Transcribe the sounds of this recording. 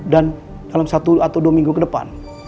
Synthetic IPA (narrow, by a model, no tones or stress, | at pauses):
dan | d̥alamsat̪uat̪awduamiŋɡukədəpa̰n